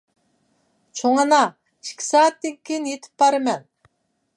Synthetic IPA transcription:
t͡ʃʰoŋɑnɑ | iʃkʲʰi̥sɑːt̪ːekʲkʲʰenjet̪ʰɪ̥pbɑɾɨmɛn

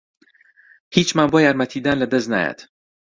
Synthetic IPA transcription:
hit͡ʃmaːnboːjaːɾmɐt̪ʰid̪aːnlɐd̪ɐzt̪na̰ːja̰t̪

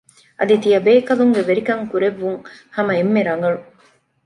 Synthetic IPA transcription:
ʔɐ̰d̪it̪ijɐbeːkɐluŋɡeʋeɾikɐŋkuɾeʋːuŋhɐmɐemːeɾɐŋɐɭu

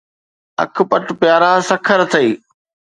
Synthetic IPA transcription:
ɐ̰k̆ʰpɐʈpjaːɾãːsɐkʰəɾt̪ʰɐiː

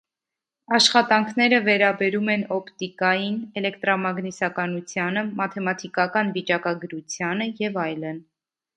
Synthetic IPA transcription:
ɑʃχɑt̪ɑŋkʰnɛɾəvɛɾɑbɛɾumɛnɔpt̪ikɑjinɛlɛkt̪ɾɑmɑɡnisɑkɑnut͡sʰjɑnəmɑt̪ʰɛmɑt̪ʰikɑkɑnvit͡ʃɑkɑɡəɾut͡sʰjɑnəjɛvɑjlən

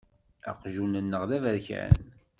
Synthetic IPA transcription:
æ̰qʒunənːəʁðævæðçɾæ̰n

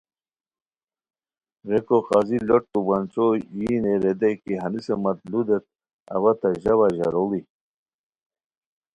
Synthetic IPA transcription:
ɾekoxaziloʈ̚tubant͡sojineɾed̪ajkiɦɐnisemɐt̪lud̪et̪̚ | ɐ̰wat̪aʑawaʑaɾoli

